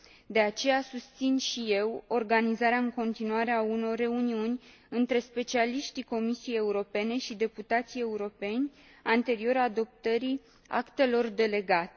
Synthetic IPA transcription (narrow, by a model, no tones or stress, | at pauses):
d̪e̞at͡ʃe̞jasust̪sinʃije̞wo̞rɡanizaɾeaɨŋko̞nt̪inuaɾe̞auno̞rːe̞uniunʲ | ɨnt̪ɾe̞spe̞t͡ʃialiʃt̪iko̞misieje̞uɾo̞pe̞ne̞ʃid̪e̞put̪at̪sije̞uɾo̞pe̞nʲ | ant̪e̞ɾio̞ɾad̪o̞p̚t̪əɾi | a̰kt̪e̞lo̞rd̪e̞le̞ɡat̪e